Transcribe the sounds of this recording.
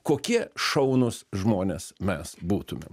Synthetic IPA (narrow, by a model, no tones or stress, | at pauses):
koːkʲiɛʃɐʊnʊsʒmoːnʲeːsmʲɛsbuːt̪ʊmʲḛm